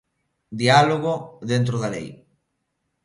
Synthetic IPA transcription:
d̪ialoɣ̞oðent̪ɾoðalḛj

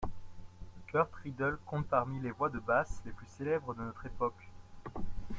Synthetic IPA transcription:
əkʲœʁt̪χid̪œlkɔ̃t̪̚paʁmilevwad̪əbasleplyselɛbʁəd̪ənɔt̪χepɔk

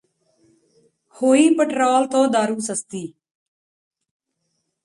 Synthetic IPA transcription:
hoːiːpəʈɾoːlt̪õːd̪aːɾuːsəst̪iː

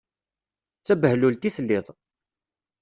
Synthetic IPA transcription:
t͡sːæbəhlult̪iθəlːɪðˤ

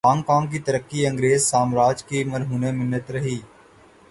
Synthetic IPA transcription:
ãːŋkãːŋɡk̬it̪əɾəkːiə̃ŋɡɾeːzsaːmɾaːd͡ʒkiməɾɦuːnemɪnːət̪ɾɐɦiː

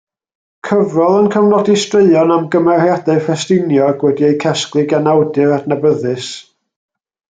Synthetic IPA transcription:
kʰəvrɔlˠənkʰəvnɔdistreɨɔnamɡəmɛrjadɛfɛstɪnjɔɡwɛdiejkʰɛsklˠɨɡanawdɨɾadnabəðɨs

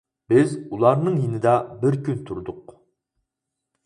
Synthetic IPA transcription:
bɪzulˠɑɾnɨŋjinɪd̪ɑbɪɾkʲynt̪ʰuɾd̪ʊq

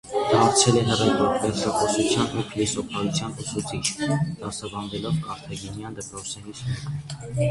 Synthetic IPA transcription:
d̪̥ɑːɾt͡sʰɛlɛɦərɛvɔkvɛɾt͡ʃʰɑχɔsut͡sʰjɑnɛpʰilisɔpʰɑɾut͡sʰjɑnusut͡sʰit͡ʃʰd̪̥ɑsɑbɑnvɛlɔvkʰɑɾt̪ʰɑɡinjɑnd̪əpɾɔt͡s̪ʰɛɾismɛk

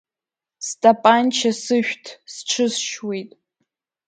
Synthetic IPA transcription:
stʼapʼant͡ʃʰasɨʃᶣtʰsʈ͡ʂʰɨsʃwejtʼ

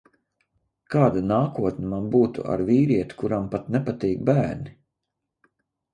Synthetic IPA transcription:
kaːd̪anaːkuɔt̪nʲimanbuːt̪ṵa̰ɾviːɾiɛt̪u̥kuɾampat̪nɛpat̪iːɡ̚bæːɾni

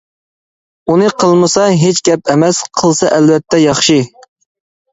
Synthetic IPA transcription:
unɨqʰəlˠmɨsɑɦet͡ʃɡʲɛp̚ɛmɛsqʰəlˠsɑʔɛlvɛt̪ʰːɛjɑχʃɨ

